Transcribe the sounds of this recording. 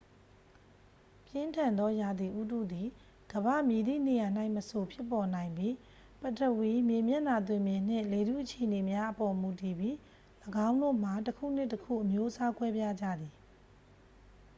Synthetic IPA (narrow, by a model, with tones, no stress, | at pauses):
pjɪ̃˦ntʰã˨nd̪ɔ˦ja˨d̪i˨ʔu˦dṵ˦˨d̪i˨ | ɡ̥əbä̰˦˨mji˨d̪ḭ˦˨ne˨ja˨n̥a˦ɪʔməso˨pʰjɪ˦˨pːɔ˨nã˨ɪ̃mbji˦ | pə˨tə˨wi˨mjẽ˨mjɛ˦˨na˨t̪̬wɪ̃˨mjɪ̃˨n̥ɪ̰̃˦˨le˨ɾṵ˦˨ʔət͡ɕʰe˨ʔəne˨mja˦ʔəpɔ˨mu˨ti˨bji˦ | ləɡã˦ʊ̃ndo̰˦˨m̥a˨təkʰṵ˦˨n̥ɪ˦˨təkʰṵ˦˨ʔəmjo˦ʔəsa˦kwɛ˦bja˦d͡ʑä̰˦˨d̪i˨